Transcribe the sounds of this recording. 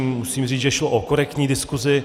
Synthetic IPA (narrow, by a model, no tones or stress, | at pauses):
mmusiːmriːʒɛʃloʔokoɾɛkt̪ɲiːdɪskuzɪ